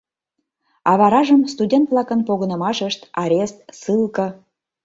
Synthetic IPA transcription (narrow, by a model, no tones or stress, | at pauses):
ɑβɑɾɑʒəmst̪udʲent̪vlɑkə̆npoɣənə̆mɑʃəʃt̪ɑɾʲest̪̚sɯlkɤ̆